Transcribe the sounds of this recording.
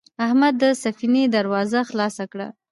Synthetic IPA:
ahmad̪ːəsafined̪aɾwɑzaxlɑsakɽa̰

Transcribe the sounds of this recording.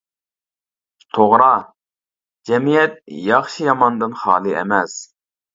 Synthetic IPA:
t̪ʰoʁɾɑ | d͡ʒɛmijɛt̪̚jɑχʃijɑmɑnd̪ɨnχɑ̰ːlˠɨʔɛ̰mɛs

